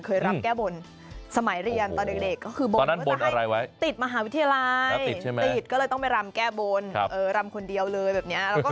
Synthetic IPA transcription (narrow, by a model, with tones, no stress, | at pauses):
kʰɤː˧jɾa˦˩˥p̚kɛː˥˩bo˧n | sa˧ma˨˩˦jɾi˧ənt̪ɔː˧nde˨˩k̚de˨˩kːɔː˥˩kʰɯː˧bo˧ɔː˧˩˧nːa˦˥n˥bo˧nʔa˧ɾa˧jwa˦˥jt̪i˨˩t̪̚ma˧ɦaː˩˦wi˦˥t̪ʰːa˧ja˧la˧˦˧ji˨˩t͡ɕʰa˥˩m˦t̪i˥˨˩t̪̚kɔː˥˩ɤː˧jt̪ɔ˥˩ŋma˥˩jɾa˧mkɛː˥˩bo˧n˧ʔɤː˨˩ɾa˧mkʰo˧ndi˧əwlɤː˧jbɛː˨˩p̚ni˦˥ɐʔɾɛ˦kɔ˥˩